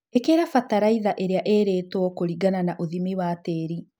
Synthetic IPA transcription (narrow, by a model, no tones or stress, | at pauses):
ekeɾafataɾaiðaʔeɾeaʔeɾeːtwɔkoɾiɡananaʔoðimiwateːɾi